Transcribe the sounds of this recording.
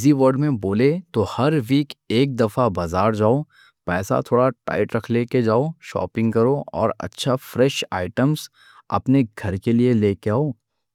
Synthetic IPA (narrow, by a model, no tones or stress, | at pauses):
ziʋəɾɖmẽboːlet̪ohɐɾʋiːkeːk̚d̪ɐfabazaːɾd͡ʒaːo | pɛːsa̰t̪ʰoːɽaʈa̰ːɪʈɾɐkʰleːked͡ʒaːoʃɔ̰ːpɪ̃ŋɡkɐɾoɔ̰ːɾɐ̰tːʃʰafɾɛʃa̰ːɪʈəmz | ɐ̰pneɡʱɐɾkelieleːkeaːoː